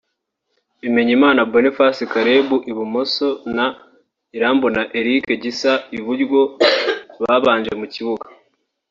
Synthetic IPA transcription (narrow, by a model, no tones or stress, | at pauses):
ime̞ɲimaːnabonifasikaɾebuʔiβumo̞so̞na | iɾaːmbonaʔe̞ɾike̞ɟisaiβuɾɡwo̞ | βaβaːnɲd͡ʒe̞muciβuɡa